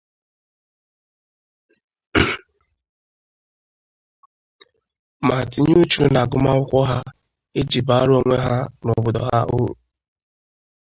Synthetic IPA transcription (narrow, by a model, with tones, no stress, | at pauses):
ma˨ti˨ɲ˦u˦t͡ʃu˨˦na˨ɡʊ˦ma˦ʊ˦kʷɔ˦ɦa˦ | e˦d͡ʒi˨ba˨˦ɾo˦ŋʷe˦ɦaa˦nɔ˨bʊ˨dɔ̰˨ɦa̰˦ʔṵ˦ɾṵ˨